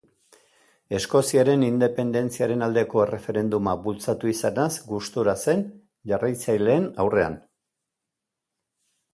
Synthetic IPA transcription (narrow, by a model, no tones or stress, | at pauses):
e̞sko̞siaɾe̞nind̪e̞pe̞nd̪e̞nt͡siaɾe̞nald̪e̞ko̞e̞re̞fe̞ɾe̞nd̪umabult͡sat̪uisanazɡust̪uɾase̞n | ʝarajt͡sajle̞ːnawre̞a̰n